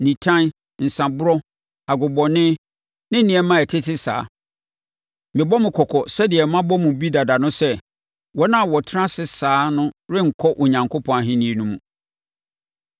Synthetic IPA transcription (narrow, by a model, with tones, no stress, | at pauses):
nĩ˨tʰã˦n | n̩˨sã˨bʊ˦ɾɔ˦ | a˨ɡʊ˨bɔ˨nɪ̃˦ | nɪ̃˦n˦nĩ˨ɛ˦mã˦ɛ˨tʰɪ˦tʰɪ˦sa̰ː˨˦ | mɪ̃˨bɔ˦mɪ̃˨kʰɔ˨kʰɔ˨sɛ˦dɪ˨ɛ˨mã˦bɔ˦mũ˨bi˦da˨da˨nʊ̃˦sɛ˦ | wɔ˦nã˦˨wɔ˨tʰɪ˦ã˦sɪ˦saː˨˦nʊ̃˦ɾɪ̃˦ŋ̩˨kʰɔ˦ʔʊ˨ɲã˨ŋkʰo˦pʰɔ̃˨a˨ɦɪ̃˦nĩ˦˨e˨nũ˦mṵ̃˨